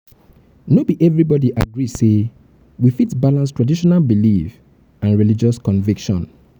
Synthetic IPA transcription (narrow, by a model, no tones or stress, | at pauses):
nobiʔɛvɹibɔdiʔa̰ɡɹise | wifitbalãnstɹadiʃɔnalbilif | ãnɹilid͡ʒɔskɔ̃ɱvikʃɔ̰̃n